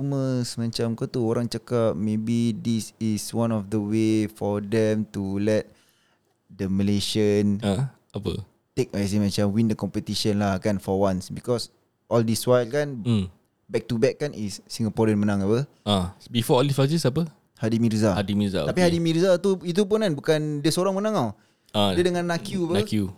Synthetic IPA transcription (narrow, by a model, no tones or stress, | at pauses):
məsmãt͡ʃamkot̪uoɾaŋt͡ʃakat̚mẽbidisiswãnɔfd̪əwefɔdɛ̃mt̪ulɛt̪̚ | dəməleʃən | apə̰ | t̪ek̚as̬imãt͡ʃamwindəkɔmpət̪iʃənlakanfɔwãnsbikɔs | ʔɔldiswajlkan | bɛk̚tubɛkːanʔisːĩŋɡapɔɾə̃nmənãŋabə | abifɔɔldisazisapə | hadimiɾzahadimiza̰t̪apihadimiɾzat̪uit̪̬upunanbukandiəsoɾaŋmənãŋaw | addiədəŋãnːakjubəakju